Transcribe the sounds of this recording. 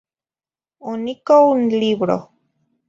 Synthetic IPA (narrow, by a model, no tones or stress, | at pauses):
onikounliβɾo̰